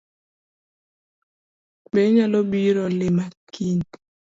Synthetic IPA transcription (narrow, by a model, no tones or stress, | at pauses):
beɲalobiɾɔlɪmakin